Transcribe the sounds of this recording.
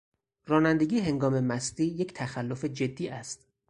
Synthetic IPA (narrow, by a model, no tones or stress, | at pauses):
rɒːnænd̪eɡʲiːɦe̞ŋɡɒːme̞mæst̪iːje̞cʰt̪ʰæxælːofe̞d͡ʒe̞d̪ːiːʔæst̪